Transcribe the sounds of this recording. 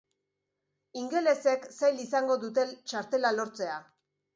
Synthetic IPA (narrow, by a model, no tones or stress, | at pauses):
iŋɡe̞le̞se̞ksajlisaŋɡo̞ðut̪e̞lt͡ʃaɾt̪e̞lalo̞ɾt͡se̞a